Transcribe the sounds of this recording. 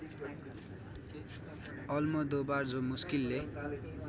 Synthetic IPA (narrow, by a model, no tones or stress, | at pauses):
ʌlmʌd̪obard͡zomuskilːe